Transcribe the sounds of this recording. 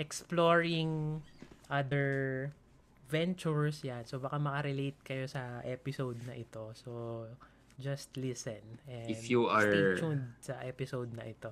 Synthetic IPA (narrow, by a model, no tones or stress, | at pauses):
ʔɛksploɹɪŋ | ʔad̪ɛɹ | vɛ̃nt͡ʃuɹsjansobɐkamɐkɐɾɪlejt̪̚kɐjo̞sɐʔɛpɪsowd̪̚nɐʔɪt̪o̞so | d͡ʒɐst̪lɪsɛnɛɪfjuaɹt͡ʃud̪̚sɐʔɛpɪsowd̪̚nɐ̰ʔɪt̪o̞